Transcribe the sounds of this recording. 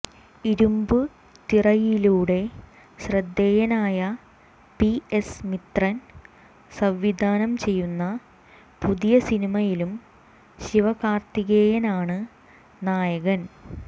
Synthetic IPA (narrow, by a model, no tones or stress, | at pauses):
iɾumbɨ | t̪irɐjiluːɽe̞ | ɕrɐd̪ːeːjɐnaːjɐ | piesmit̪rɐn | sɐʋːid̪ʱaːnɐmt͡ɕe̞jːunːɐ | puðijɐsinimɐjilum | ɕiʋɐɣaːrt̪iɣejɐnaːɳɨ | naːjɐɣɐn